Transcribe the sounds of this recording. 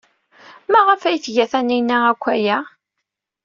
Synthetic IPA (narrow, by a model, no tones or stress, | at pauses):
mæʁəfæjθʝæθæninæækʷːæjæ